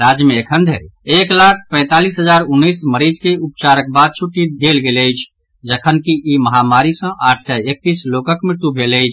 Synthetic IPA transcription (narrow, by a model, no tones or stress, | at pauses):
ɾad͡ʒmẽːkʰənd̪ʱḛɾeklakʰpɛ̃ːt̪alisɦəd͡ʒaɾʊnːisməɾid͡ʒkeup̚t͡ʃaɾək̚bad̪̚t͡ʃʰuʈːid̪elɡeləjt͡ʃʰ | d͡ʒəkʰənkiʔiməɦamaɾisə̃ʔaːʈʰsɛek̚t̪islokəkmɪɾt̪ubʱeləjt͡ʃʰ